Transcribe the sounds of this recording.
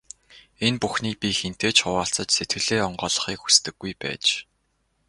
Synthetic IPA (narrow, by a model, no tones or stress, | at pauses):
enpuxniːpʲixen̥t̪eːt͡ɕχʊwaːɬt͡sə̆t͡ɕset̪ɡɘ̆ɮeːɔɴɢɔːɮə̆χiːkxu̥st̪ɘ̆ɡːujpæ̰ːt͡ɕ